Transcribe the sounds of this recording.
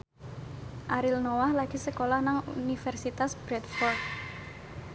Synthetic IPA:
ʔaɾilnowahlaɡ̥isəkolahnaŋunifɛrsit̪asb̥ɾɛt̪fɔrt̪̚

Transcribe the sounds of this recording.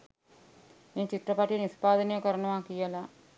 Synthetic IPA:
eːnt͡ʃit̪ɾɐpaːʈijɐnispaːd̪ʱɐneɐkɐɾɐɳɐʋaːkijɐlaː

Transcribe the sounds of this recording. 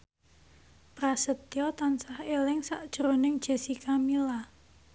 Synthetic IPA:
pɾasət̪iɔt̪ansahelɪŋsaʔd̥ʒ̥əɾonɪŋd̥ʒ̥ɛ̤sikamila

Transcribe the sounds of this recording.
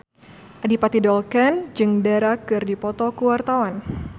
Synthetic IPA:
ʔadipat̪idɔlkand͡ʒɨŋdaɾakɨrdipɔt̪ɔkuwart̪awan

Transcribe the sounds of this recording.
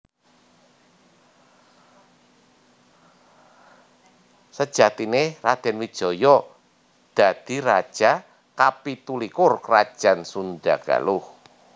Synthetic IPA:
səd̥ʒ̥at̪inerad̪̥ɛ̤nwid̥ʒ̥ɔ̤jɔ | d̪̥a̤d̪̥i̤ɾad̥ʒ̥a | kapit̪ulikʊrkrad̥ʒ̥ansunda̰ɡ̥a̰lʊh

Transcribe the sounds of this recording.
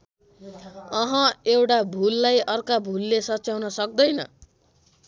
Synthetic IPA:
ʌɦʌewʈabʱulːajʌrkabʱulːesʌtːt͡sawnʌsʌk̚d̪ʌjnʌ̰

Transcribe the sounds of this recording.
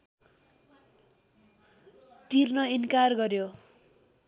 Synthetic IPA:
t̪irnʌinkarɡʌrjo

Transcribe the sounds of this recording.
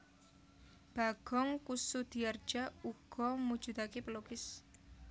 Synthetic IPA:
b̥a̤ɡ̥ɔŋkusud̪̥i̤ard̥d͡ʒ̥auɡ̥ɔmud̥d͡ʒ̥ṳt̪akepəlokɪs

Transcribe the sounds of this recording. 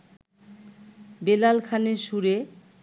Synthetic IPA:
belalkʰaneɾʃuɾe

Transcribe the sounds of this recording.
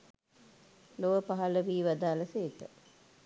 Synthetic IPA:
loʋəpaɦɐləʋiːʋad̪aːləseːkə

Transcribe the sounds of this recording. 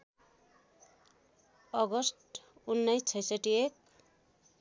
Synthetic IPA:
ʌɡʌsʈunːʌjst͡sʰʌjsʌʈiek̚

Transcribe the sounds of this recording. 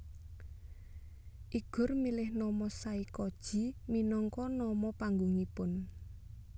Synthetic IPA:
ʔiɡ̥ʊ̤rmilɪhnɔmɔsaikɔd̥ʒ̥i̤minɔŋkɔnɔmɔpaŋɡuŋipʊn

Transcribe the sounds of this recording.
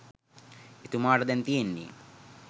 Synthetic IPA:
et̪umaːʈəd̪ɛnt̪ijenːḭ

